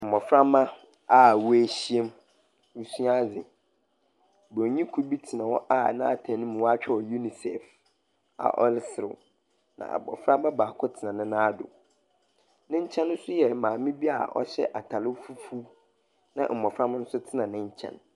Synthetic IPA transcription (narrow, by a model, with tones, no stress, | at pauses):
m̩˨mɔ˨fɾa˦mã˦ | a˦˨wu˦æ˦ɕi˦e˦m | wu˦su˦a˦d͡zɪ˨ | bɲĩ˦kʰu˦bi˦tʰi˨nã˨wɔ˦ʔa˦˨nã˦a˦˨tʰã˨nɪ̃˦m̃˨wɔ˦a˦t͡ɕᶣʰɛ˦wɔ˨ju˦ni˨sɛ̰˨f | a̰˨ʔɔ˦lɪ˦sɪ˨ɾɪ̰˨ | nã̰˨ʔa̰˨bɔ̰˨fɾa˦ba˦baː˨kʰɔ˦tʰɪ˨nã˨nɪ̃˦nã˦a˦dʊ̰˨ | nɪ̃˦ɲ̩˦t͡ɕʰɛ̃˦nːʊ̃˦sʊ˦jɛ˨mãː˨mĩ˦bi˦a̰˨ʔɔ̰˦ɕɛ̰˦ʔa˨tʰa˨lɪ˦fu˦fu˦ | nã̰˨ʔm̩˨mɔ̃˨fɾa˦mã˦nʊ̃˦sʊ˦tʰɪ˦nã˨nɪ̃˦ɲ̩˦t͡ɕʰɛ̰̃˦n